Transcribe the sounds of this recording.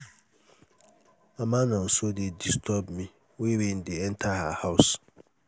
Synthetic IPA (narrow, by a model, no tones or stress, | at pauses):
amãnãn̩sodɪdistʰɔbmĩ | wewin̩dɪɛn̩tʰahahaʊs